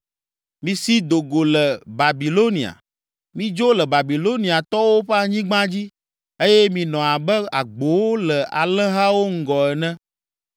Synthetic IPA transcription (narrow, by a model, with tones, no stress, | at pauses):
mĩ˨si˦d̪o˨ɡo˨lɛ˨ba˨bi˨lo˦nĩ˨a̰˨ | mĩ˦d͡ʒo˦lɛ˨ba˨bi˨lo˦nĩ˨a˨t̪ɔ˦wo˦ɸɛ˦a˨ɲĩ˦ɡ͡bã˦d͡ʑi˦ | e˦jɛ˦mĩ˨nɔ̃˨a˨bɛ˦a˨ɡ͡bo˨wo˦lɛ˨ʔa˨lɛ̃˦ɦa˦wo˦ŋ̩˦ɡɔ˨ɛ˨nɛ̃˦